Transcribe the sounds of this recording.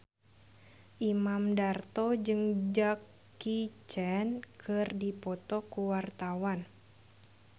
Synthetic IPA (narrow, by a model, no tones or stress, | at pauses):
ʔimamdart̪ɔd͡ʒɨŋd͡ʒakː | it͡ʃɛnkʰɨrdipɔt̪ɔkuwart̪awan